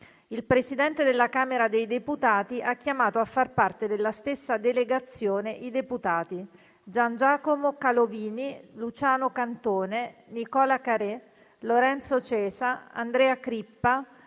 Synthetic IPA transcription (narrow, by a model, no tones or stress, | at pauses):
ilpɾesid̪ɛnt̪ed̪elːakaːmeɾad̪ejd̪eput̪aːt̪iʔakːjamaːt̪oafːarpart̪ed̪elːast̪esːad̪eleɡat̪sːjoːneʔid̪eput̪aːt̪i | d͡ʒand͡ʒaːkomokaloviːnilut͡ʃaːnokant̪oːnenikɔːlakaɾe | loɾɛnt̪sot͡ʃɛːzaa̰nd̪ɾɛːakɾipːa